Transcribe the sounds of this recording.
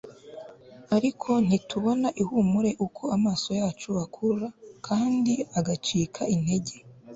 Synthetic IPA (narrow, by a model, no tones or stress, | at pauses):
aɾikʰo̞n̥ituβo̞naʔihumuɾe̞ʔukʰo̞amaːso̞jaːt͡ʃuakʰuɾakʰaːndiaɡat͡ʃiːkʰaine̞ɟe̞